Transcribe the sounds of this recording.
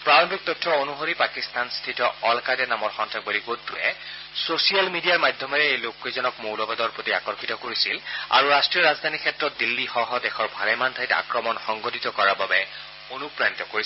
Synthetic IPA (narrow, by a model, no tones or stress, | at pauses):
pɹalɔmbʱik̚t̪ɔtʰːɔonuɦoɹipakist̪anstʰitɔɔlkadɛnamɔɹxɔntʰɹak̚boliɡotːuɛ̰ | sosialmidijaɹmadʱjɔmɔɹɛejlokːezɔnɔkmowlɔbadɔɹpotia̰kɔɹkitɔkoɹisila̰ɹuɹastɹiɔɹazd̪ʱanikʰɛtɹɔt̚dilːixɔɦɔdɛxʰɔɹbʱalɛmantʰajta̰kɹɔmɔnxɔŋɡotit̪ɔkɔɹababɛ | onupɹanit̪ɔkoɹis